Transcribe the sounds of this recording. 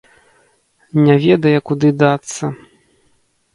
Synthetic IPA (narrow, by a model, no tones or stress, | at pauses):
nʲavʲɛd̪ɐjɛkud̪ɨd̪at̪sːɐ